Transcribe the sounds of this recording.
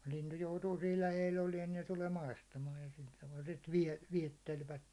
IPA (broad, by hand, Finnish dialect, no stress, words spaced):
lintu joutuː siːl læheil oliɛn n̥i̥ se tuleː mɑistɑmɑːj jɑ sil tɑʋɑl sit ʋiɛ ʋiɛtːelʋæt